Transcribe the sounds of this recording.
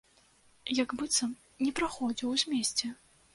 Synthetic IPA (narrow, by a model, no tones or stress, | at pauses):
jaɡbɨt̪sɐm | nʲɛpɾaxɔd͡zʲiwzʲmʲesʲt͡sʲɛ